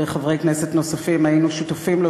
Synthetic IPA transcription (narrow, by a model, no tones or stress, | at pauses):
eχavʁejkneset̪no̞safimajinuʃut̪afimlo